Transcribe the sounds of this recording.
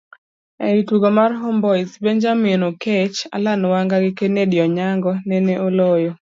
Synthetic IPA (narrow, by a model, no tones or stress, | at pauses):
ɛɾituɡomarɦombɔisbeɲd͡ʒaminoket͡ʃa̰lanwaŋɡaɡɪkenedjɔɲaŋɡɔneneʔolojo